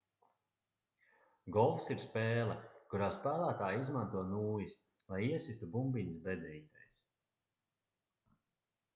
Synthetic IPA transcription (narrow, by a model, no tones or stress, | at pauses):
ɡɔlˠfsiɾspeːlˠɛkuɾaːspæːlˠæːt̪aːjizmant̪uɔnuːjis | lˠajiɛsist̪ubumbiɲisbɛd̪ɛit̪ajs